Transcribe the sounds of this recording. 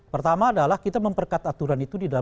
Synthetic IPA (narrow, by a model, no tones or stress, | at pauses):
pərt̪amaːdalahkit̪aməmpərkat̪at̪uɾanit̪udida